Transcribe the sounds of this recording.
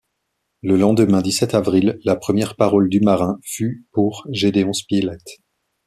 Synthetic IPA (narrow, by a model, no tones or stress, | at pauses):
ləlɑ̃d̪əmɛ̃d̪isɛt̪avʁilːapχəmjɛʁpaʁɔld̪ymaʁɛ̃fypuʁʒed̪eɔ̃spilɛt̪